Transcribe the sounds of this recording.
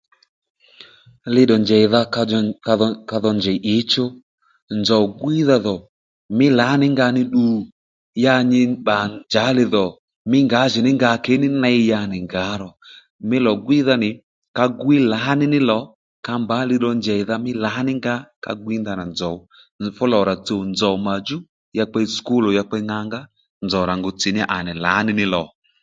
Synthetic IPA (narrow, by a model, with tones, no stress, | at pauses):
lɪ˦ɗɔ˨nd͡ʒɛ˨ða˧ | ka˧ðɔ˧nd͡ʒɛ˨ʔɪ˨˦t͡ʃo˦ | nzɔ˨wɡwi˦ða˧ðɔ˨ | mɪ˦la˨˦nɪ˦ŋɡa˧nɪ˦ɗu˨ | ja˧ɲɪ˧ɓa˨nd͡ʒa˨˦lɪ˧ðɔ˨ | mɪ˦ŋɡa˨˦ʒɪ˨nɪ˦ŋɡa˧˦kɛ˨˦nɪ˦na˧ɪ˧ja˧nɪ˨ŋɡa˨˦ɾɔ˨ | mɪ˦lɔ˨ɡwi˦ða˧nɪ˨ | ka˧ɡwi˦la˨˦nɪ˦nɪ˦lɔ˨˦ | ka˧mba˨˦lɪ˧ɗɔ˧nd͡ʒɛ˨ða˧mɪ˦la˨˦nɪ˦ŋɡa˦ka̰˧ɡwi˦nda˧na˨nd͡zɔ˨ | fʊ˦lɔ˨ɾa˨t͡so˨nd͡zɔ˨ma˨d͡ʒu˦ | ja˧k͡pɛ˧˦sku˦lo˨ja˧k͡pɛ˧˦ŋa˧ŋɡa˦ | nd͡zɔ˨ɾa˨ŋɡo˨t͡si˨nɪ˦ʔa˨nɛ˨la̰˨˦nɪ˦nɪ˦lɔ˨